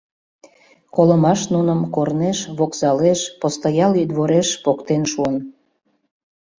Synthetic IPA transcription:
koləmɑʃnunəmkorneʃβoksɑleʃpost̪ɑjɑlid̪βoɾeʃpokt̪enʃuən

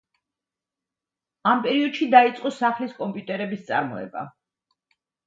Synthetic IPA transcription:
ampʼɛɾiɔd̪̥ʃid̪ait̪sʼqʼɔsaχliskʼɔmpʼjut̪ʼɛɾɛbist̪sʼa̰ɾmɔɛ̰ba̰

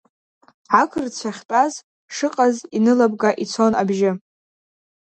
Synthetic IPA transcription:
ʕakʰɨrt͡ɕʷʰaχʲtʼaz | ʂɨqʼazinɨlab̚ɡaʔit͡sʰo̞nabʒɪ

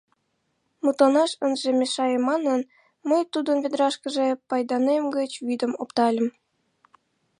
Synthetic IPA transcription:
mut̪ˠɑnɑʃənʒemʲeʃɑjəmːɑnən | məjt̪ud̪ənβed̪ɾɑʃkə̆ʒepɑjd̪ɑnemɡət͡ɕβid̪əmopt̪ɑlʲə̆m

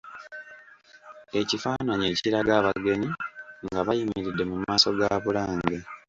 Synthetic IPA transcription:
e̞cifaːnaɲe̞ːciɾaɡaːβaɡe̞ɲiŋɡaβajimiɾidːe̞mumaːso̞ɡaβulaːŋŋɡe

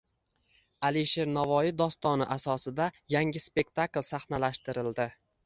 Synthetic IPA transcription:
aliʃe̞ɾnavɒjɪd̪ɒst̪ɒnɪʔasɒsɪd̪ajaŋʲɪspe̞k̚t̪ʰaklˠsaχnalaʃt̪ɪɾɪld̪ɪ

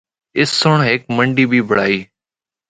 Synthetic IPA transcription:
ɪsːʊɳɦɪkməɳɖiːbʱiːbʱəɽaːiː

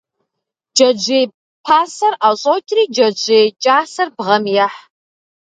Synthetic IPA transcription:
d͡ʒɐd͡ʒeːj | pʰaːsɐraːɕʼowtʲʼriːd͡ʒɐd͡ʒeːt͡ʃʼaːsɐrbʁɐmjaħ

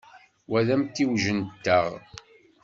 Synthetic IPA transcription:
wæðæmt̪ːiwʒənt̪ːəʁ

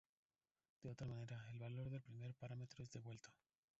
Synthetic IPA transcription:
d̪̥e̞o̞t̪ɾamãne̞ɾae̞lβalo̞ɾðe̞lpɾime̞ɾpaɾame̞t̪ɾoezðe̞βwe̞lt̪o̥

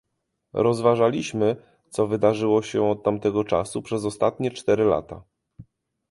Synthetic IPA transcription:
ɾɔzvaʐalʲiɕmɘ | t̪sɔvɘd̪aʐɘwɔɕɛɔt̪̚ːamt̪ɛɡɔt͡ʂa̰supʂɛzɔst̪at̪ɲɛt͡ʂt̪ɛɾɘla̰t̪a

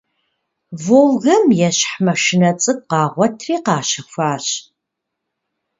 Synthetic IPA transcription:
vowɣɐmjɛɕħmɐʃɪnɐt͡sʼɨɡ̚qɑːʁʷɔtʰriːqɑːɕɐxʷaːɕ

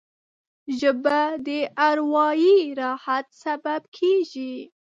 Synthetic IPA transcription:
ʒəbad̪əʔaɾwɑjiɾɑhat̪sababkʰeʒi

